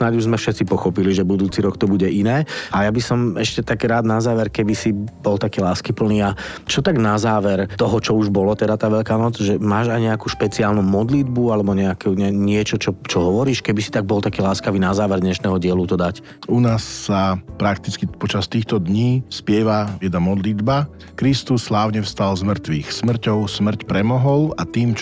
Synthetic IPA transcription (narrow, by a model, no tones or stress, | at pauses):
snaɟuʒzmɛfʃɛt̪t͡sipɔxɔpiliʒɛbud̪uːt͡siɾɔkt̪ɔbuɟɛʔinɛːajabisɔmɛʃcɛt̪aɡɾaːd̪nazaːʋɛɾkɛbisibɔlt̪akiːlaːskipl̩niːa | t͡ʃɔt̪aɡnazaːʋɛɾt̪ɔɦɔt͡ʃɔuʒbɔlɔt̪ɛd̪at̪aːʋɛʎkaːnɔd͡zʒɛmaːʒajɲɛakuːʃpɛt͡siaːlnumɔd̪lid̪bualɛbɔɲɛakuɲɛɲɪɛt͡ʃɔt͡ʃɔt͡ʃɔɦɔʋɔɾiːʃkɛbisit̪aɡ̚bɔlt̪akiːlaːskaʋiːnazaːʋɛɾd̪ɲɛʃnɛːɦɔɟɪɛlut̪ɔd̪ac | unaːsːapɾakt̪it͡skipɔt͡ʃast̪iːxt̪ɔd̪ɲiːspɪɛʋajɛd̪namɔd̪lid̪ba | kɾist̪usːlaːʊɲɛfst̪alzmr̩t̪ʋiːxsmr̩cɔʊsmr̩cpɾɛmɔɦɔlat̪iːmt͡ʃ